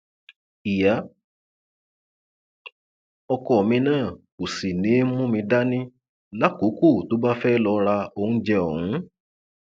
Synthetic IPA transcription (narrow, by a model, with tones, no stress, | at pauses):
i˨ja˨˦ | ɔ˧kɔ˨mĩ˧nãː˦˨ko˨si˨nĩ˨˦mũ˦mĩ˧da˦nĩ˦ | la˦ko˨˦ko˦˨to˨˦ba˦fɛ˦lɔ˧ɾa˧õ˧˦d͡ʒɛ˧ɔ˨hũ˨˦